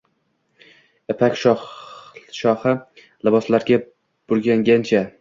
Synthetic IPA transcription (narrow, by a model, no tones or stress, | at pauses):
epʰakʲʃ | ʃɒhɨ | lɪbɒslaɾɡʲa | b̥ʊɾɡʲaŋɡʲant͡ʃʰa